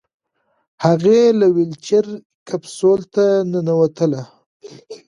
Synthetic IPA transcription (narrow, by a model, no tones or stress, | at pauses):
haɣelawɪlt͡ʃaɾ | kapsolt̪anənawat̪əla